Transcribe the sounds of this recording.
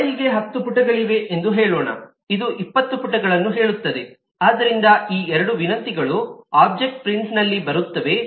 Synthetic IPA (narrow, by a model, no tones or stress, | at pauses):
jiɡe̞ɦɐt̪ːupuʈːɐɡɐɭiʋe̞ʔend̪uɦeːɭɔːɳɐ̰ | id̪uʔipːɐt̪ːupuʈːɐɡɐɭɐnːuɦe̞ːɭut̪ːɐd̪e̞ | aːd̪ɐɾind̪ɐiːɛɾɐɽuʋinɐnt̪iɡɐɭuaːb̚d͡ʒe̞k̚ʈ̚pɾiɳʈsnɐlːibɐɾut̪ːɐʋe̞